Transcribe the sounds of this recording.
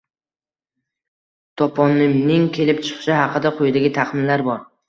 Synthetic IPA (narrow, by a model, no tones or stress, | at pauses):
t̪ʰɒpʰɒnːɪmnɪŋkʲʰe̞lɪp̚t͡ʃʰɨ̥qʰɨ̥ʃɪhɑqʰɨd̪aqʰojɪd̪aɡʲɪt̪ʰɑqmɪnlaɾbɒɾ